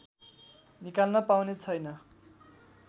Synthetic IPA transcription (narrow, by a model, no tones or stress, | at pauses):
nikalnʌpawnet͡sʰʌjnʌ